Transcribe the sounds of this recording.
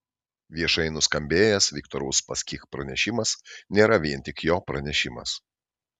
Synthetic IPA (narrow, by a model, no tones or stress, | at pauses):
ʋʲiɛʃɐɪnʊskɐmʲbʲeːjɛsʋʲɪkt̪ɔɾɐʊspɐsʲkʲikpɾɐnʲɛʃʲɪmɐsnʲeːɾɐʋʲiɛnʲˑt̪ʲɪkjoːpɾɐnʲɛʃʲɪmɐ̰s